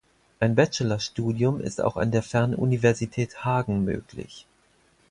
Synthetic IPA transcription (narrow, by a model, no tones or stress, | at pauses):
ʔaɪnbɛt͡ʃɛlɐʃtuːdjʊmɪ̰sta̰ʊxa̰ndeːɐfɛɐnʔṵnivɛɐzitʰɛːthaːɡŋ̩mø̰ːklɪ̰ç